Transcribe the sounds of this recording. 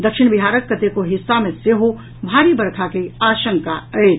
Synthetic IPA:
d̪ɐkʃɪñbɪɦaːɾəkːət̪ekoɦɪsːamẽseɦo | bʱaːɾibɐɾkʰakeaːʃə̃ŋkaɛː

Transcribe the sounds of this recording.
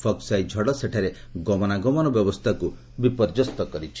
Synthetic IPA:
pʰɔksajd͡ʒʱɔɽɔseʈʰaɾe | ɡɔmɔnaɡɔmɔnɔbjɔbɔst̪ʰaku | bipɔɾd͡ʒɔst̪ɔkɔɾit͡ʃʰi̥

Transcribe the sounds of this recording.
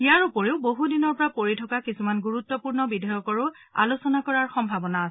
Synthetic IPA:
ijaɹupoɹeʊboɦudinɔɹpɔɹapoɹitʰɔkakisumanɡuɹut̪ːɔpuɹnɔbidʱajɔkɔɹʊ | a̰lusɔnakɔɹaɹxɔmbʱabɔnaːsɛ

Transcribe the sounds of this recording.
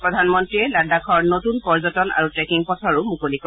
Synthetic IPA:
pɹɔdʱanmɔntɹiɛladakʰɔɹnotunpɔɹzɔtɔna̰ɹutɹɛkiŋpɔtʰɔɹʊmukolikɔ

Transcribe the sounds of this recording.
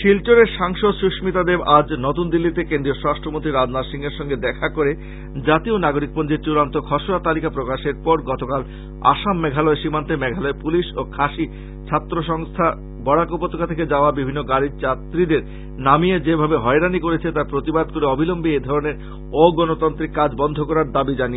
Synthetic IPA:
ʃilʈoɾeɾʃaŋʃod̪ʃuʃmit̪ad̪ebad͡ʑnot̪und̪ilːit̪ekẽnd̪ɾioʃɾaʃʈʰɾomont̪ɾiɾad͡ʑnaɾʃiŋeɾʃɔŋɡed̪ɛkʰakoɾe | d͡ʑat̪ionaɡoɾik̚pond͡ʑeɾt͡ɕuɾant̪okʰɔʃonat̪alikapɾokaʃeɾpɔɾɡɔt̪okal | a̰ʃamːɛɡʱalɔeʃimant̪emɛɡʱalɔepuliʃokʰaʃi | t͡ɕʰat̪ːɾoʃɔŋst̪ʰa | bɔɽakopot̪ʰːokat̪ʰeked͡ʑaoabibʱinːoɡaɾit͡ɕat̪ːɾid̪eɾ | namied͡ʑebʱabeɦɔeɾanikoɾet͡ɕʰet̪aɾpɾot̪ibad̪̚koɾeɔbʱilombied̪ʱɔɾoneɾ | oɡɔnot̪ɔnt̪ɾikːad͡ʑbɔnd̪ʱokɔɾaɾd̪abid͡ʑanie

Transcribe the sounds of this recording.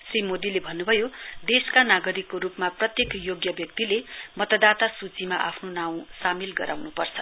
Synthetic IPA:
srimod̪ilebʱʌnːubʱʌjod̪eskanaɡʌɾikːoɾupmaprʌt̪jekjoɡjʌbjʌk̚t̪ilemʌt̪ʌd̪at̪asut͡simaʔapʰnonaw̃samilɡʌɾʔawnupʌrt͡sʰʌ̥

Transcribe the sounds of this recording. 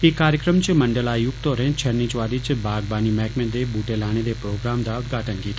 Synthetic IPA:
ekːaːɾjəkɾəmt͡ʃmɐɳɖəlaːjʊkt̪oːɾɛ̃ːt͡ʃʰɐɾnit͡ʃʋaːɾit͡ʃbʱaːɡbaːnimɛːkmẽd̪eːbuːʈelaːɽ̃ed̪epɾoːɡɾaːmd̪aːʊd̪ɡʱaːʈənkiːt̪ː

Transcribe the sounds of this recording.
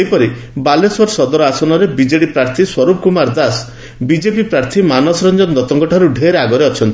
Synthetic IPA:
ejpɔɾi | baleswɔɾsɔd̪ɔɾɔasɔnɔɾebid͡ʒeɽipɾaɾt̪ʰiswɔɾup̚kumaɾd̪as | bid͡ʒepipɾaɾt̪ʰimanɔsɔɾɔnd͡ʒɔnd̪ɔt̪ɔŋkɔʈʰaɾuɖʱeɾaɡɔɾeɔt͡ʃʰɔnt̪i

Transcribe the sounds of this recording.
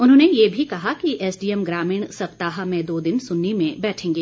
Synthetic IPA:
ʊnɦõːnejebʱikɐɦakiʔɛːsɖiːɛmɡɾaːmɪɳ̃sɐpt̪aːɦamẽd̪oːd̪ɪnsʊnːimẽbɛːʈʰẽːŋɡeː

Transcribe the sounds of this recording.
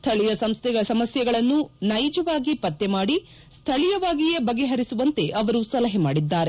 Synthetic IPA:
t̪ʰɐɭijɐsɐmst̪ʰɛɡɐsɐmɐsjɐɡɐɭɐnːunɐjd͡ʒɐʋaːɡipɐt̪ːemaːɽi | st̪ʰɐɭijɐʋaːɡijebɐɡeɦɐɾisuʋɐnt̪e̞ʔɐʋɐɾusɐlɐɦɐmaːɽid̪ːaːɾe̞

